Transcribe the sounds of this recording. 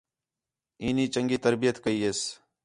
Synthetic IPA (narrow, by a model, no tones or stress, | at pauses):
iːniːt͡ʃəŋɡiːt̪ɐɾbijət̪kəiːeːs